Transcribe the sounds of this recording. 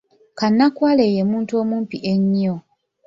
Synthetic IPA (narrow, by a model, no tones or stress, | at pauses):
kanːakwaːle̞jemuːntuo̞ːmuːmpiʔeɲːo